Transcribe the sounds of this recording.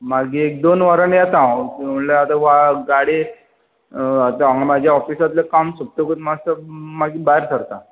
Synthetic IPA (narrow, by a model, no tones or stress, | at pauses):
maɡiek̚d̪onʋaɾənjat̪ãt̪ələat̪aʋaɡaɽe | at̪aaɦamad͡ʑʱjaɔfisat̪lakamsub̚t̪oɡət̪mast̪əmaɡiːbaeɾsəɾt̪a